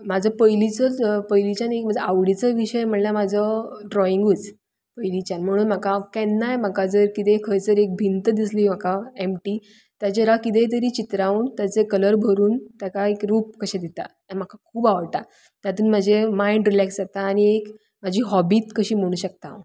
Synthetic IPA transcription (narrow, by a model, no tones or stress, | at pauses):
mad͡zʱəpəjlit͡səpəjlit͡ɕjanekm̤ad͡zaʋɽit͡səʋiɕəjm̤əɳlamad͡zʱəɖɾɔiŋɡut͡s | pəjlit͡ɕanm̤əɽ̃uːnm̤akakɛnːajm̤akad͡zəɾkit̪ekʰəjt͡səɾek̚bʱint̪d̪isliːm̤akaemʈiː | t̪jat͡ɕeɾakit̪̬et̪̬əɾiːt͡ɕit̪ɾauːnt̪jat͡sekələɾbʱəɾuːnt̪jakaekɾuːp̚kəɕẽd̪it̪a̰ | am̤akakʰuːbaʋəɽt̪a | t̪jat̪uːnm̤ad͡ʑʱemaiɳɖɾilɛksd͡zat̪aːñiek | m̤ad͡ʑʱiːɦɔbiːt̪kəɕiːm̤əɽ̃uːɕək̚t̪a̰